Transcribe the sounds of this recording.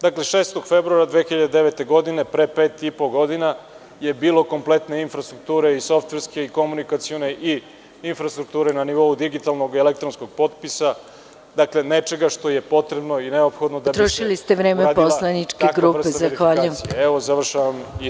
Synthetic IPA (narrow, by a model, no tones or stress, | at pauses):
d̪akle̞ʃeːst̪oɡ̥febɾuaɾad̪ʋeːxiʎad̪ed̪eʋet̪e̞ɡo̞d̪ine̞pɾepeːt̪ipo̞ɡo̞d̪ina | je̞biːlˠo̞ko̞mple̞t̪ne̞infɾast̪ɾuk̚t̪uːɾe̞iso̞ft̪ʋeɾske̞iko̞munikat̪sione̞ʔi | infɾast̪ɾuk̚t̪uːɾe̞naniʋo̞ud̪iɡit̪alˠno̞ɡelek̚t̪ɾonsko̞ɡ̥̚po̞t̪̚pisa | d̪akle̞net͡ʃe̞ɡaʃt̪o̞je̞po̞t̪ɾebno̞ineopxo̞d̪nod̪abt̪ɾoʃilist̪eʋɾeːmeadposlanit͡ʃk̪eaɡɾuːɾpezaxʋaːʎmijeɛʋo̞zaʋr̩ʃaʋami